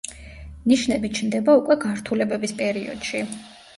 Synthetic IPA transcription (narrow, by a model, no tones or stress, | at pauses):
niʃnɛbit͡ʃʰnd̪ɛbaukʼwɛɡaɾt̪ʰulɛbɛbispʼɛɾiɔ̰d̪̥ʃi